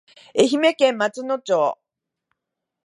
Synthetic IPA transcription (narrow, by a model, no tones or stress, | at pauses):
eçime̞kẽ̞mːat͡sɨnot͡ɕoː